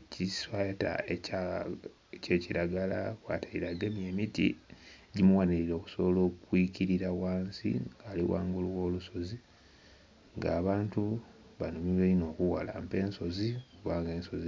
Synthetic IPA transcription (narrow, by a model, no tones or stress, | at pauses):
ciswata̰eca | ce̞ːciɾaɡala̰kwa̰ːtʰaiɾaɡemjemitḭɟimuwaniɾiɾo̞ːku̥soβolo̞ːkwiciɾiɾawaːnsḭalḭwa̰ːŋɡuluwo̞ːluso̞zi | ŋɡaːβaːntu | βanumileino̞ːkuwala̰mpe̞ːnso̞zikuβaːŋɡe̞ːnso̞zi